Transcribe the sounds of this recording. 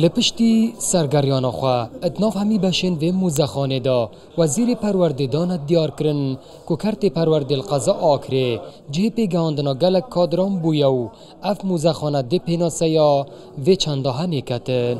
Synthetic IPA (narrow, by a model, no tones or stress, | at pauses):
ləpɨʃt̪isaɾɡaɾjɔnɔxwaət̪nɔːfhamibaʃenvemuzaxɔned̪ɔ | waziɾepaɾwaɾd̪ed̪ɔnad̪ijɔɾkəɾən | kukʰaɾt̪epaɾwaɾd̪elqazɔʔːkʰɾed͡ʒɪhepeɡahɔnd̪ɨnɔɡalakʰːɔd̪ɾɔmbujaw | afmuzaxɔːnad̪epenɔsajɔ | vet͡ʃʰand̪ɔɦanekat̪ən